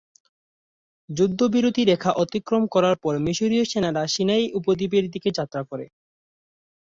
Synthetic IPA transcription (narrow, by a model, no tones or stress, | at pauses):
d͡ʑud̪ʱːobiɾod̪ʱiɾekʰaʔɔt̪ikːɾomkɔɾaɾpɔɾmiʃoɾioʃenaɾaʃinajʔupod̪ibeɾd̪iked͡ʑat̪ːɾakoɾe